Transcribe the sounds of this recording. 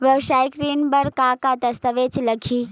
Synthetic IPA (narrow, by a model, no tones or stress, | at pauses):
ʋjɐʋʃaːikɾiːnbɐɾkaːkad̪ɐst̪əʋeːt͡ʃlɐkʰiː